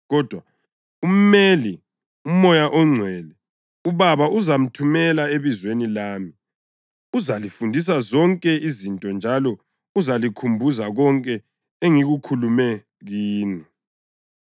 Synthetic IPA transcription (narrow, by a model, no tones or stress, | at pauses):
ɣɔd̥ʱwa | um̩meli | um̩mɔjaʔɔŋ͡ǀʱwɛlɛ | uβaβaʔuzam̩tʰumɛlaeβizwenilaːmi | uzalifundʱis̬azɔŋkʼɛizintʼɔnd͡ʒʱalɔ | uzalikʰumbʱuzaɣɔŋkʼɛ | eŋiɣukʰulumɛ | ɣiːni